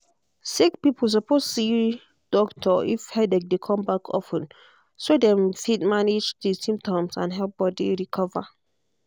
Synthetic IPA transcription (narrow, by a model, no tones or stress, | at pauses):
sikpipls̬ɔposti | d̥ɔktʰɔifhɛdɛk̚dekʰɔ̃mbakʰɔ̰fə̃n | sodɛ̃mfid̚maned͡ʒdisĩmptʰɔ̃msã̰nɦɛlp̚b̥ɔdḭɹikʰɔva